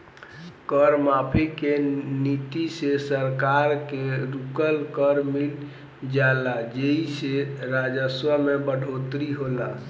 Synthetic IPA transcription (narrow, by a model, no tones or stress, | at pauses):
kəɾmapʰikenit̪isesəɾkaɾkeɾukəlkəɾmil | d͡ʒalad͡ʒeiseɾad͡ʒəswəmebəɽʱot̪ɾiɦola̰